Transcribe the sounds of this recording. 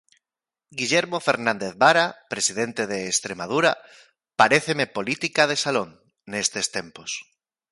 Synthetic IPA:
ɡiʎeɾmofeɾnãnd̪eðβaɾapɾesiðent̪eðeːst̪ɾemaðuɾa | paɾeθemepolit̪ikað̞esaloŋ | nest̪est̪empos

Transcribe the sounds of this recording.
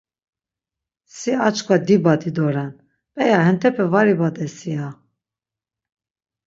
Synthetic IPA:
siat͡ʃkʰʼwad̪ibad̪id̪ɔɾan | pʼɛjahɛnt̪ʰɛpʰɛvaɾibad̪ɛsia

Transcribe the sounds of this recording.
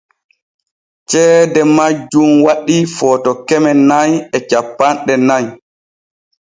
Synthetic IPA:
t͡ʃɛːdɛmad͡ʒːumwaɗifɔːtɔkɛmɛnajɛt͡ʃapːanɗɛnaj

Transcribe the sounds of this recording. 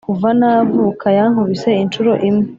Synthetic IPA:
kuvanavuːkʰajaŋ̥huβise̞int͡ʃuɾo̞ʔimŋe

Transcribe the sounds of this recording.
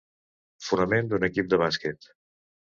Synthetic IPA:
funəmend̪unəkip̚d̪əβaskɛt̪

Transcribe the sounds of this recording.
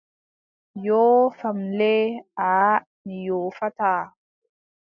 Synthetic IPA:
joːfamlɛa | nijoːfataː

